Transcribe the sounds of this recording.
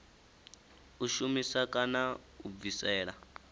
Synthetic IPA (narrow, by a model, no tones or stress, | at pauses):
uʃumisakʼana | ub̪visɛːɺa